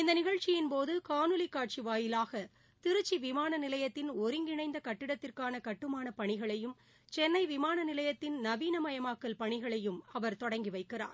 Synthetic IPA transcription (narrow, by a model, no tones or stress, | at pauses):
ɪnd̪ɐnɪɣɐɻt͡ʃːɪjɪnpoːðɯkaːnɯlɪkːaːʈ̚t͡ʃiʋaːjɪlaːɣɐ | t̪ɪɾɯt͡ʃːiʋɪmaːnɐnɪlɐjɐt̪ːɪnɔɾɪŋɡɪɳɐɪnd̪ɐkɐʈːɪɽɐt̪ːɪrkaːnɐkɐʈːɯmaːnɐpɐɳɪɣɐɭɐjɯm | t͡ʃɛnːɐɪʋɪmaːnɐnɪlɐjɐt̪ːɪnnɐʋiːnɐmɐjɐmaːkːɐlpɐɳɪɣɐɭɐjɯmɐʋɐɾt̪ɔɽɐŋɡiʋɐɪkːɪra̰ːn